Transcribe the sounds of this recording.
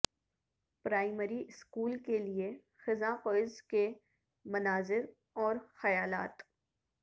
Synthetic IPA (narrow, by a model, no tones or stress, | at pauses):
pɾaːɪməɾiɪskuːlkelie | xɪzãqɔːɪzke | mɐnaːzɪɾ | ɔːɾxɐjaːlaːt̪